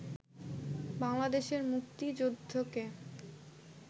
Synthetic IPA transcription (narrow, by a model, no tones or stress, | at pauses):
baŋlad̪eʃeɾmuk̚t̪id͡ʑod̪ʱːoke